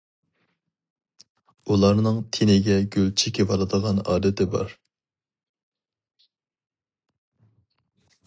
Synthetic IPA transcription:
ulˠɑɾnɨŋt̪ʰenɪɡʲɛɡʲølt͡ʃʰikʲɪvɑlˠɨd̪əʁɑnɑ̰ːd̪ɪt̪ɪbɑ̰ɾ

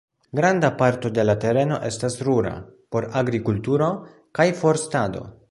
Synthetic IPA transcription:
ɡɾand̪apaɾt̪o̞d̪e̞late̞ɾe̞no̞̰ʔe̞stasɾuɾa̰po̞ɾaɡɾikult̪uɾo̞ | kajfo̞ɾstad̪o̞̰

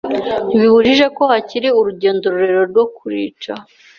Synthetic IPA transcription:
βihuʒiʒe̞ko̞haciɾiuɾuɟe̞ːndoɾuɾeɾo̞ɾɡwo̞kʰuɾḭːt͡ʃa

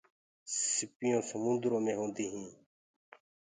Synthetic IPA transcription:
sɪpɪjõːsəmʊ̃nd̪ɾõːmẽːɦõːnd̪iːɦĩː

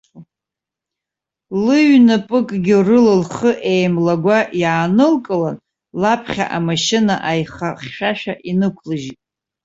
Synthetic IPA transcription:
lɨɥnɨpʼɨkʼɡʲɪrɨlɨlχəʔejmlaɡʷajaːnɨlkʼɨlan | lapʰχʲa̰ʔamaʃɪnaʔajχaχʲʃᶣaʃᶣaʔinɨkʷʰlɨʒitʼ

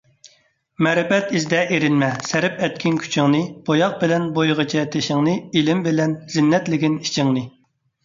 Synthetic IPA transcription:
mɛɾɪpɛt̪izd̪ɛʔeɾɪnmɛsæɾɪpɛt̪̚kʲʰinkʲʰy̥t͡ʃʰɪŋnɨb̥ojɑq̚bɪlɛnbojʁət͡ʃʰɛt̪ʰeʃɪŋnɨilɪmbɪlɛnz̥ɪnːɛt̪lɪɡʲinit͡ʃʰɪŋnɨ

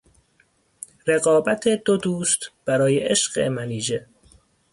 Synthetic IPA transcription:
ɾe̞ɣɒːbæt̪ʰed̪̥od̪uːst̪b̥æɾɒːjeʔeʃɢ̥ḛmæniːd͡ʒe

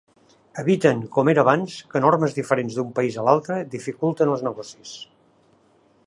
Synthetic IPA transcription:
əβit̪əŋkɔmeɾəβanskənɔrməzðifəɾenzðumpəizəlalˠt̪ɾəðifikulˠt̪ənəlˠznəɣɔsis

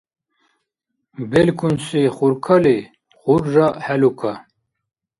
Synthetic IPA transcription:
belkunseχuɾkʰale | χuɾʒahɛlukʰa

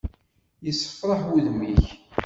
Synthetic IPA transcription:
jəsːə̥fɾˤəħwuðmiç

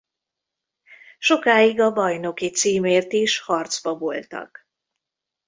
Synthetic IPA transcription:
ʃo̞kaːiɡɒbɒjno̞kit̪siːmeːrt̪iʃhɒrt̪zbɒbo̰lt̪ɒ̰k

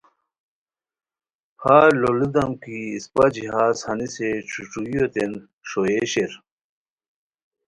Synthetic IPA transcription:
haːlolid̪ɐmkiːspad͡ʑiɦaːshɐniset͡ɕʰuʈ͡ʂujjot̪en | ʂoeɕeɾ

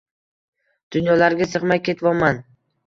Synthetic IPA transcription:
d̪̥ʊnjɒlaɾɡʲasɨqmakʲːe̞t̪vɒman

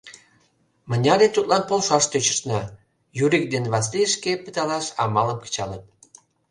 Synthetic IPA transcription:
mənʲɑɾet̪ut̪lɑnpolʃɑʃt̪øt͡ɕə̥̆ʃnɑ | juɾik̚d̪enβɑsliəʃkepət̪ɑlɑʃɑ̰mɑləmkə̥t͡ɕɑlət̪̚

